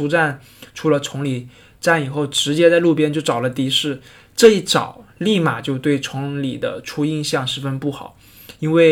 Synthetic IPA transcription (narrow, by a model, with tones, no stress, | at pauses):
u˧˥ʈ͡ʂa˥˩n | ʈ͡ʂʰu˧˥lə˧ʈ͡ʂʰʊ˧˥ŋli˨˩ | ʈ͡ʂa˥˩ni˨˩xo˥˩ʊʈ͡ʂɻ̩˧˥t͡ɕjɛ˥t͡sa˥˧ɪlu˥˩pjɛ˥nt͡ɕjo˥˩ʊʈ͡ʂɑ˨˩ʊlə˦t̪i˧˥ʂɻ̩˥˩ | ʈ͡ʂɤ˥˧i˥˩t͡sɑ̰˨˩˦ʊli˥˩ma˨˩t͡ɕjo˥˧ʊt̪we˥˩ɪt͡sʰʊ˧˥ŋli˨˩d̪ə̰˦ʈ͡ʂʰu˥i˥˧ŋɕjɑ˥˩ŋʂɻ̩˥fə˥npu˥˩xɑ̰˨˩˦ʊ | i˥nwe˥˩ɪ